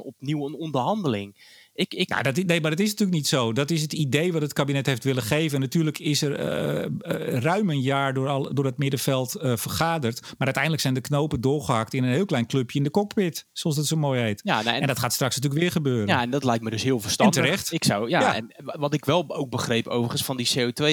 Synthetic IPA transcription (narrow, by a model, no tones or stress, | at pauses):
ɔpniwənɔndərɦɑndəlɪŋɪkna̰dɔtnejmardɔtɪs̬natylək̚nitsoːdɔtɪs̬ətideːʋɔtətkabinɛtheftʋɪlˠəxeːvənːatyːrləkʰɪsər̰ | rœɥmənjaːɹdlˠdʊːɹət̚mɪdəfɛlˠtəfərχaːdərtmaɾʔœtɛjndləksɛjndəknowpədʊːɹχəhak̚tɪnənɦɪːlˠklɛjnkløpjəɪndəkɔk̚pɪtsolˠsdɔtsomojɦejtjaɛndɔtχaːtstraksnatyləkʋɪːɹχəbøːɾəjaɛndɔtlɛjk̚tmədɵshɪəlˠfərstɛndtərɛxtɪksawjaaɛ̰n | ʋɔtɪkʋɛlˠowk̚bəxrejpo̰wvəənsfɔndiseːotʋe